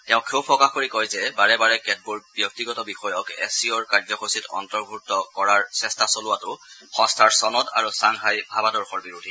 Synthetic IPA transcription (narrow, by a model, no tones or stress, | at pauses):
tɛʊ̃kʰewpɹɔkaxkoɹikɔjzɛbaɹɛbaɹɛkɛd̚buɹbjɔk̚tiɡɔtɔbixɔjɔkɛ̰siɔɹkaɹzɔkositɔ̰ntɔɹbʱutːɔkɔɹaɹsɛstasolʊwatʊxɔ̃stʰaɹsɔnɔta̰ɹusaŋɦajbʱabadɔɹxɔɹbiɹudʱi